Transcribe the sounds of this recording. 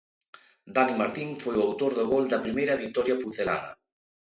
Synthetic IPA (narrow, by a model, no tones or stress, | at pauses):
d̪animaɾt̪iŋfojwawt̪oɾðoɣold̪apɾimejɾaβik̚t̪ɔɾjapuθela̰na̰